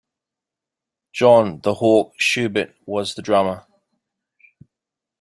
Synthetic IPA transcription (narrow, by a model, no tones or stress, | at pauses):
d̥ʒ̥ɒ̃nðəhɔˑk̚ʃʉːbɪʔwɒzðədɹamə